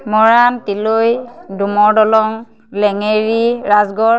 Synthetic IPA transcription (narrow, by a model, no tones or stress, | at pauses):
mɔɹantilojdumɔɹdɔlɔŋ | lɛŋeɹiɹazɡɔɹ